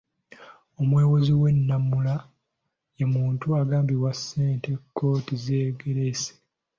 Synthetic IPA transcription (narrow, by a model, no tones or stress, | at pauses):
omwe̞ːwoziwe̞nːamːula | jemuːntuaɡaːmbiwasːe̞ːntekʰːo̞ːtizeːɡe̞ɾese̥